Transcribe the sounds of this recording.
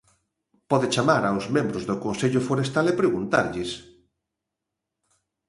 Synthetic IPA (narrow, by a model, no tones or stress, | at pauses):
pɔðɪt͡ʃamaɾawzmẽmbɾʊzðokonseʎʊfoɾest̪alepɾeɣunt̪aɾʎɪs